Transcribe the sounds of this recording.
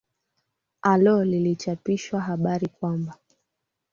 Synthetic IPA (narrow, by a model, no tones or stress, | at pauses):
alɔlilit͡ʃapiʃwaɦaɓaɾikwamba